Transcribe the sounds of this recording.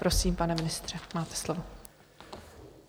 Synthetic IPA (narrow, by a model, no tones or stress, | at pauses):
pɾo̞siːmpanɛmɪnɪst̪r̝̥ɛmaːt̪ɛ̥slovo